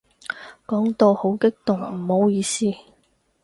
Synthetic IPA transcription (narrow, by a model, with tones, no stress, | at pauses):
kɔː˨˥ŋt̪o˧who˨˥wkɪ˥k̚t̪ʊ˨˩ŋm̩˨˩ho˨˥wjiː˨˧siː˥